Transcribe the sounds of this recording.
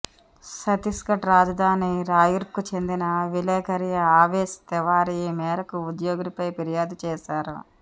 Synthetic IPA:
sɐt̪iskɐʈɾaːd͡ʒɐd̪ʱaːniɾaːjuɾp̚kut͡ʃe̞nd̪inɐʋilɛːkɐɾijɐaːʋeːst̪ɛʋaːɾijmɛːɾɐkuud̪joːɡunipɐjpiɾijaːd̪ut͡ʃɛːʃaːɾṵ

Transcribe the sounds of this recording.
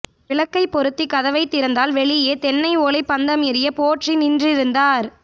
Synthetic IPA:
ʋɪɭɐkːɐɪpːɔɾɯt̪ːikɐðɐʋɐɪt̪ːɪɾɐnd̪aːlʋɛɭɪjeːt̪ɛnːɐɪoːlɐɪpːɐnd̪ɐmɪɾɪjɐpoːʈrinɪndrɪɾɯnd̪aːɾ

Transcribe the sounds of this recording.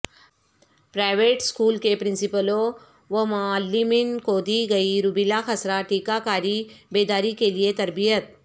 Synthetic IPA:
pɾajʋeːʈskuːlkepɾɪ̃nsipəlo | ʋəmaalːiminkoːd̪iːɡəiɾubilaxʰəsɾaʈiːkakaːɾibeːd̪aːɾikeliet̪ɐɾbijət̪̚

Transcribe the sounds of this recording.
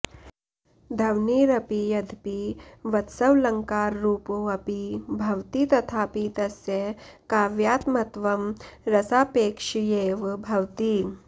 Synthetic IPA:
d̪ʱɐwniːɾɐpijɐd̪ʱpiʋɐt̪sɐwlɐŋkaːɾːuːpoɐpibʱɐwt̪iːt̪ɐt̪ʰaːpit̪ɐsjekaːʋjaːt̪mɐt̪ʋɐmɾɐsaːpeːkʂijeːʋbʱɐwt̪iː

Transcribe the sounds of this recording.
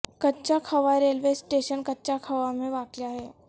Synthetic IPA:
kɐtːʃakʰɐʋaɾeːlʋeːsʈeːʃənkɐtːʃakʰɐʋamẽʋaːkjaɦɛː

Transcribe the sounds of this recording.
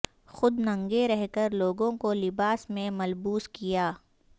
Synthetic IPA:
xʊd̪nɐ̃ŋɡeɾɛɦkəɾloːɡõkolɪbaːsmẽmɐlbuːskijaː

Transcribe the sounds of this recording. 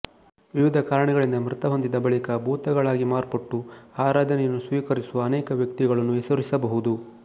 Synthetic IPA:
ʋiʋid̪ʱɐkaːɾɐɳɛɡɐɭind̪ɐmɾɨt̪ɐɦo̞nd̪id̪ɐbɐɭikɐbʱuːt̪ɐɡɐɭaːɡimaːɾpɐʈːuhaːɾaːd̪ʱɐnɛjɐnːusʋiːkɐɾisuʋɐːnɛːkɐʋjɐk̚t̪iɡɐɭɐnːuɛsɐɾisɐbɐɦud̪u

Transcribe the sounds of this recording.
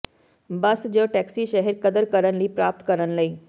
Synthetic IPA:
bəsd͡ʑəʈɛksiːɕəɦɛɾkəd̪əɾkəɾənliːpɾap̚t̪kəɾənləi

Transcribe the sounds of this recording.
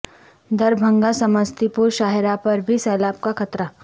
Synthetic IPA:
d̪ɐɾbʱɐ̃ŋɡasɐməst̪ipuɾʃaːɦeɾapɐɾbʱisɛːlaːb̚kakʰɐt̪ɾa

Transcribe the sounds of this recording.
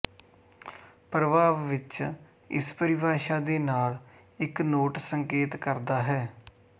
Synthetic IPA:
pɾəʋaːʋːɪt͡ʃ | ɪ̰spəɾɪbaːʃaːd̪eːnaːl | ɪknoːʈsəŋkeːt̪kəɾd̪aːɦɛː

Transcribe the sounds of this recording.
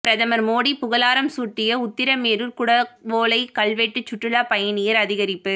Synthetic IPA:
pɪɾɐðɐmɐɾmoːɽipʊɣɐlaːɾɐmsuːʈːɪjɐʊt̪ːɪɾɐmeːɾɯɾkʊɽɐʋoːlɐɪkɐɭʋeːʈːɯt͡ʃːʊʈːɯɭaːpɐjɐnɪjɐɾɐðɪɣɐɾɪpːɯ

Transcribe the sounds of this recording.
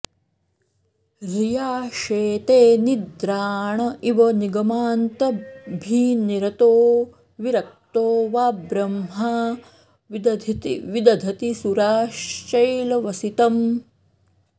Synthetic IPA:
ɾijaːʃeːt̪eːnid̪ɾaːɳɐiʋɐniɡɐmaːnt̪ɐbʱiːniɾɐt̪oː | ʋiɾɐk̚t̪oːʋaːbɾɐmɦaː | d̪ɐt̪ʋid̪ɐd̪ʱɐt̪isuɾaːʃt͡ʃɐjlɐʋɐsit̪ɐm

